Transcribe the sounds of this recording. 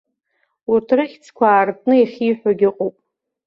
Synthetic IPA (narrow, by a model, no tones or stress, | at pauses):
urtʰrɨχʲt͡sʰkʷʰaːrtʼʰnɨiχʲiːħʷᶣaɡʲɪqʼopʼ